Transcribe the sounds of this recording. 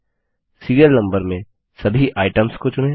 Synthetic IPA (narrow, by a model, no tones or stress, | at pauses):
siːɾijəɾnɐ̃mbəɾmẽ | sɐbʱiʔaːɪʈəmskot͡ʃʊneː